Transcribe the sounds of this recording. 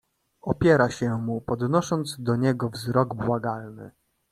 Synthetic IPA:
ɔpʲjɛɾaɕɛmupɔd̪nɔʂɔnd̪zd̪ɔɲɛɡɔvzɾɔɡbwaɡalnɘ̰

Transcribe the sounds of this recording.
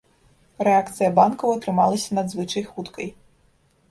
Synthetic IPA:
ɾeakt̪sɨjɐbɑnkɔʋɔt̪ɾɪmɑlˠɐsʲɐnɐd̪zʋɪt͡ʃɐjxut̪kɐj

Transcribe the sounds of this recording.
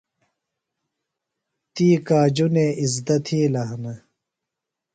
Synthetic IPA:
t̪iːkaːd͡ʑuneːizd̪ɐt̪ʰiːlɐɦnɐ

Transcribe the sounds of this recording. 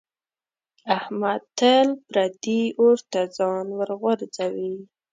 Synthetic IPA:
ahmad̪t̪əlbɾad̪iʔoɾt̪ad͡zɑnwəɾɣaɾzawi

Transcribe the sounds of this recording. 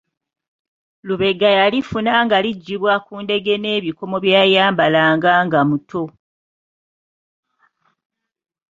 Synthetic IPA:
luβe̞ɡajalifunaːŋɡaliɟːiβwakuːnde̞ɡe̞ne̞ːβiko̞mo̞βjaːjaːmbalaːŋɡaːŋɡamutʰo̞

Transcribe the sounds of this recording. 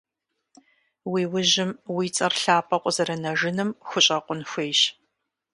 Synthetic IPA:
wiːwʊʑɪmwiːt͡sʼɐrɬaːpʼɐqʷʼzɐɾɐnɐʒɪnɨmxʷʊɕʼɐqʷʼʊnxʷeːʃ

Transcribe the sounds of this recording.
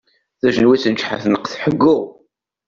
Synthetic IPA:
θæʒənwit͡sːənt͡ʃːħaθnəqθħəɡːʊʁ

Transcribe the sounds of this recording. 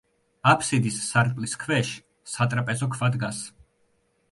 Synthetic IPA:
apʰsid̪isːaɾt̪ʼliskʰvɛʃ | sat̪ʼɾapʼɛzɔkʰvad̪ɡas

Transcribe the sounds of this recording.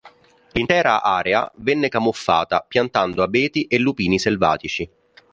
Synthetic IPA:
lint̪ɛːɾaʔaːɾea̰vɛnːekamofːaːt̪apjant̪and̪oabɛːt̪iʔelːupiːniselva̰ːt̪it͡ʃi

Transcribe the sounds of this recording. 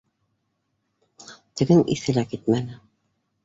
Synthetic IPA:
t̪ɘ̆ɡɘnḭθɘ̆lækit̪̚mænɘ

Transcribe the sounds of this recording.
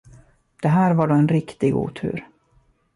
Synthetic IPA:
d̪̥ɛɦæːɾvaɖoːɛnɾɪkt̪ɪɡṵːt̪ʰʉ̰ːɾ

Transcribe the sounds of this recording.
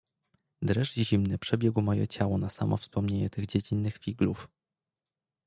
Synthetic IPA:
d̪ɾɛʐʑimnɘpʂɛbʲjɛɡwmɔjɛ̰t͡ɕawɔnasamɔfspɔmɲeɲɛt̪ɘɣd͡ʑed͡ʑinːɘxfʲiɡluf

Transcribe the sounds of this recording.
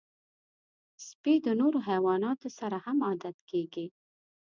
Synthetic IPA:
spid̪ənoɾoɦajwɑnɑt̪osaɾahamɑd̪at̪keɡi

